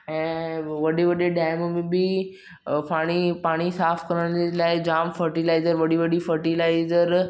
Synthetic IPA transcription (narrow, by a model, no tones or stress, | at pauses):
ɛ̃ːʋɐɗeʋɐɗeɗaːɪmmẽbɪ | paːɽ̃ipaːɽ̃isaːfʰkɐɾəɽ̃d͡ʑelaːɪd͡ʑaːmfəɾʈilaːɪzəɾʋɐɗiʋɐɗifəɾʈilaːɪzəɾ